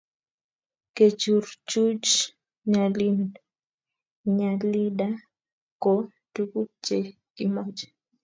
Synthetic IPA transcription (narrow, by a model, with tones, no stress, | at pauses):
ke˨t͡ʃu˨ɾt͡ʃu˦t͡ʃ | ɲa˨li˦n | ɲa˨li˦da˦ | kɔ˨ | tu˦ku˦t͡ʃe˨ | ki˨mɔ˦d͡ʒɛ̥˨